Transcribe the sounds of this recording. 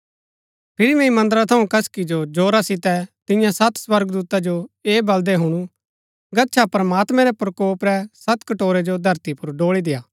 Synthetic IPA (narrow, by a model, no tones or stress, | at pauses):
pʰɪɾimɛ̃ĩmɐ̃nd̪əɾat̪ʰɐũkɐskid͡ʒod͡ʒoːɾasɪt̪ɛt̪ɪ̃jãsɐt̪swɐɾɡd̪uːt̪ad͡ʒoeːbɐld̪ɛɦʊɽ̃u | ɡɐtːʃʰapɾmaːt̪mɛ̃ɾɛpɾɐkoːpɾɛsɐt̪kɐʈoːɾed͡ʒod̪ʱɐɾt̪ipʊɾɖoːɭid̪ɪjaː